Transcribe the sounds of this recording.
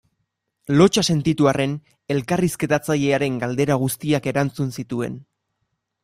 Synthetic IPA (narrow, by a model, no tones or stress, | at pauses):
lo̞t͡ʃase̞nt̪it̪uare̞n | e̞lkariske̞t̪at͡saʎe̞aɾe̞ŋɡald̪e̞ɾaɣ̞ust̪iake̞ɾant͡sunsit̪ue̞̰n